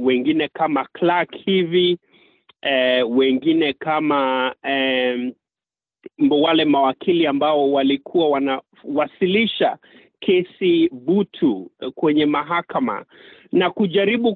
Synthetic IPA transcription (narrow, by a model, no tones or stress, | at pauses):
wɛŋɡinɛkamaklakhivi | ɛwɛŋɡinɛkama | mbwalɛmawakʰiliambaɔwalikʰuwawana | wasiliʃa | kʰɛsibutʰukwɛɲɛmaɦakama̰nakuʄaɾiɓu